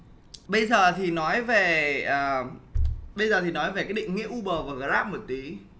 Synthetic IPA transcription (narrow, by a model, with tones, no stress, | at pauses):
ɓə˧jzəː˨˩t̪ʰi˨˩nɔ˨˦jve˨˩ʔəː˨˩ | ɓə˧jzəː˨˩t̪ʰi˨˩nɔ˨˦jve˨˩kaː˨˥ɗḭ˧˨ŋŋḭ˧˥əʔu˧ɓəː˨˩vaː˨˩ɣəː˨˩zaː˦˥p̚mo˨˩t̚t̪i˨˦